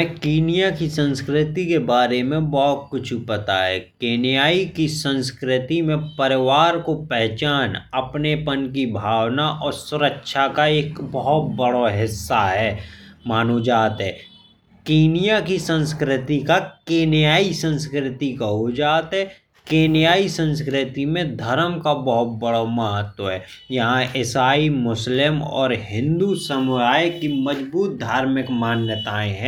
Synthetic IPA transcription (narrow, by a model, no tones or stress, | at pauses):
mɛ̃kiːnɪjakisə̃nskɾɪt̪ikebaːɾemẽbɔɦt̪̚kʊt͡ʃʰpɐt̪a̰ɦɛ̰keːnɪjaːikisə̃nskɾɪt̪imẽpəɾɪʋaːɾkopɛɦt͡ʃaːnɐpnepənkibʱaːwnaʔɔːɾsʊɾəkʃakaeːkbɔɦʊt̪̚bəɽoɦɪsːaɦɛːmaːnod͡ʒaːt̪ɦɛː | keːnijakisə̃nskɾɪt̪ikakeːnɪjaːisə̃nskɾɪt̪ikaɦod͡ʒaːt̪ɦɛ | keːnɪjaːisə̃ns̬kɾɪt̪imẽd̪ʱəɾəmkabəɦʊt̪̚bəɽaməɦət̪wəɦɛː | jɐɦãʔɪsaːimʊslɪmɔ̰ːɾɦɪ̃nd̪usəmʊɾaːjkiməd͡ʒbuːt̪̚d̪ʱaːɾmɪkmaːnjət̪aːẽɦɛ̃ː